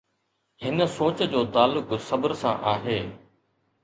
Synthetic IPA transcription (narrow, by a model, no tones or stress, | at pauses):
hɪnəsoːt͡ɕd͡ʑoːt̪aːlːʊksɐbəɾsã̰ʔaːɦeː